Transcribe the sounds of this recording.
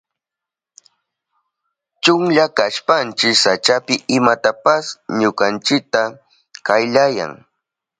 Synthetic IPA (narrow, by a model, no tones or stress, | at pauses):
t͡ʃʊŋʎakaʃpant͡ʃɪksat͡ʃapɪʔɪmat̪apasɲʊkant͡ʃɪk̚t̪a | kajʎaja̰ŋ